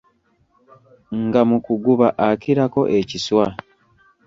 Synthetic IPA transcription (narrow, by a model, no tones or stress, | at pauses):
ŋɡamukuɡuβaʔakiɾako̞ʔe̞ciswa